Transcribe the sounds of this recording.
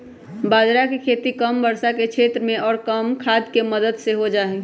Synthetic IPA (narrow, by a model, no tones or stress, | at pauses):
baːd̪ɾakekʰeːt̪ikəmbəɾsaket͡ʃʰeːt̪ɾəmẽɔːɾkəmkʰaːd̪keməd̪əd̪seɦod͡ʒaːe